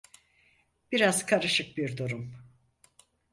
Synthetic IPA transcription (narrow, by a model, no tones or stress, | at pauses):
b̥iɾazkʰaɾɯʃɯk̚biɾd̪uɾum